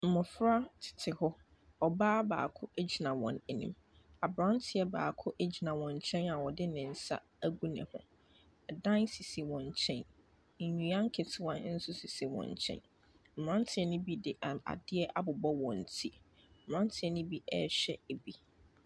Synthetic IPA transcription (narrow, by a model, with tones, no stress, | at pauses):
m̩˨mʊ̃˨fɾa˦tʰɪ̥˨tʰɪ˨hɔ˦ | ɔ˨baː˦ba̰ː˨kʰʊ˦e˦d͡ʑi˨nã˨wɔ̰̃˨ne˨nḭ̃˦m | a˨bɾã˦n˦tʰɪ˨ɛ˦baː˨kʰʊ˦ʔe˦d͡ʑi˨nã˨wɔ̃˨ɲ˨t͡ɕʰɛ̃˦na˨wɔ˨dɪ˦nɪ̃˨n̩˦sa̰˦ | æ˦ɡu˦nɛ̰̃˨hʊ̰̃˨ | ɛ˨dã˦nsi˨si˨wɔ̃˨ɲ˨t͡ɕʰɛ̃˦n̩˨ | ɲũ˨ã˦ŋ̩˦kʰɪ˨tʰɪ˦wã˦n̩˦sʊ˦si˨si˨wɔ̰̃˨ɲ˨t͡ɕʰɛ̰̃˦n | m̩˨m˨ã˦n˦tʰɪ˦ɛ˦nʊ̃˦bi˦dɪ˨ʔa̰˨dɪ˦ɛ˦ʔa˦bʊ˨bɔ˦wɔ̃˨n̩˨tʰi˦m̩˨ɾã˦n˦tʰɪ˨ɛ˦nʊ̃˦bi˦ɛ̰˦ɕɛ˦e˨bi˦